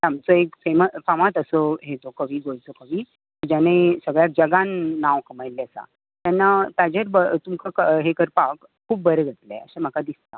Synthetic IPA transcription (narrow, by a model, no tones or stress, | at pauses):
t̪amt͡səekfeməfamãt̪əsəɦet̪okəʋiːɡojt̪okəʋiː | t̪əd͡ʑanesəɡɭjak̚d͡ʑəɡanːaʋkəmajleəsa̰ | t̪janːat̪ad͡ʑaɾbət̪umkʰakəɦekəɾpak | kʰːuːp̚bəɾəɡʱət̪lḛə̰ɕam̤əkad̪ist̪a